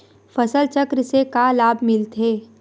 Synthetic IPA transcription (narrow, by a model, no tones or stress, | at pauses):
fəsəlt͡ʃəkɾsekalaːbmɪlt̪ʰeː